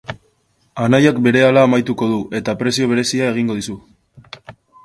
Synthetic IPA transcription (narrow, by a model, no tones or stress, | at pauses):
anajakbe̞ɾe̞alaːmajt̪uko̞ðuʔe̞t̪apɾe̞sio̞β̞e̞ɾe̞siae̞ɣ̞iŋɡo̞ð̞isu